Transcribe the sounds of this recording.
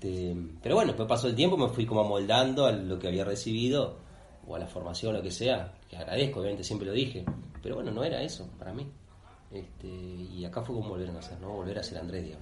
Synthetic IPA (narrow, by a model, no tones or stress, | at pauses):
t̪epeɾoβwenoepwepasolt̪jempomefwikomoamo̞ld̪and̪oalokeaβiaresiβiðo̞ | o̰a̰lafo̞ɾmasjonlo̞keseakea̰ɣɾa̰ð̞exkoβjamet̪esjempɾeloðixepeɾoβwenonõ̞eɾa̰esopaɾami | eht̪eiakafwekomoβlβeɾenaseɾnoβo̞lβe̞ɾaseɾand̪ɾeðḭɣam